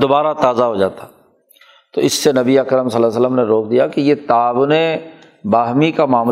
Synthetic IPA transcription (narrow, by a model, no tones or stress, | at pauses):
d̪obaːɾat̪aːzaɦod͡ʒaːt̪a | t̪oɪsːenɐbiəɐkəɾəmsɐlaːs̬ələmneɾoːkʰd̪ijakijet̪aːbʊne | baːɦmikamaːm